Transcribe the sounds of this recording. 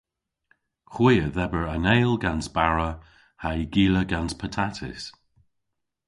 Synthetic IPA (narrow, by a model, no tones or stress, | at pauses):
xwiːəðɛbəɹaneːlˠɡansb̥aɹə | hajɡiːləɡanspʰətʰatʰɪ̰s